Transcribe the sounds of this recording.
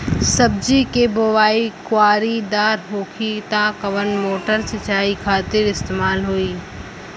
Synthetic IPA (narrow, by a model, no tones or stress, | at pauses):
sɐb̚d͡ʒikeboːʋaːikʊaːɾid̪aːɾɦoːkʰit̪ãkɐʋənmoːʈəɾsɪt͡ʃaːikʰaːt̪ɪɾɪst̪eːmaːlɦoːiː